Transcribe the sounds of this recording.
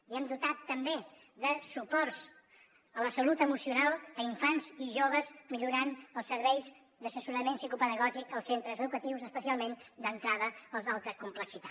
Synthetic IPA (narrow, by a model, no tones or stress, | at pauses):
iɛmd̪ut̪at̪ːəmbe | ðəsupɔrz | ələsəlut̪əmusiunalˠdəiɱfanziʒoβ̞əzmiʎuɾanəlˠsəɾβɛjz | d̪əsəsuɾəmensikupəðəɣɔʒikəlˠsent̪ɾəzəðukət̪iwzəspəsialˠmend̪ənt̪ɾaðəəlˠzalˠt̪ɾəkumpləksit̪a